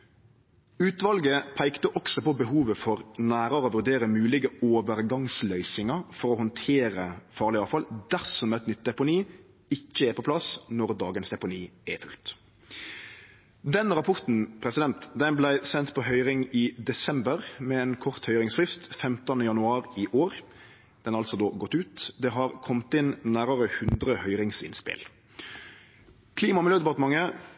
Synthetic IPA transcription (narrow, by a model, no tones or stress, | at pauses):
ʉːt̪ʋɑlɡəpʰæɪkt̪əʔɔksɔpɔbəɦuːʋəfɔɾnæːɾəɾəoːʋʉɾɖ̪eːɾəmʉːlɪɡəoːʋəɾɡɑŋslœʏsɪŋɑfɔɾɔhɔnt̪ʰeːɾəfɑːʁlɪɑːʋfɑld̪æʁsɔmɛt̪nʏt̪̚ːd̪ɛpʊniː | ɪçːəɛpʰɔplɑsnɔʁd̪ɑːɡənsd̪ɛpʊniːɛfʉlt̪ | d̪ɛnɾɑpʰɔʁt̪n̩pʰɾɛsɪd̪ɛnt̪d̪ɛnblæɪsɛnt̪pʰɔɦœʏɾɪŋiːd̪ɛsɛmbəʁmɛeːnkʰɔʁt̪hœʏɾɪŋsfʁɪst̪fɛmt̪ənəjɑnʉɑːɾiʔoːʁ | d̪ɛnɑɾɑlsɔd̪oːɡɔt̪ːʉːt̪d̪ɛɦɑʁkʰɔmt̪ɪnnæːɾəɾəhʉnd̪ʁəhœʏɾɪŋsɪ̰nspɪ̰l | kʰliːmɑmɪløːd̪ɛpɑʁt̪əmɑŋːə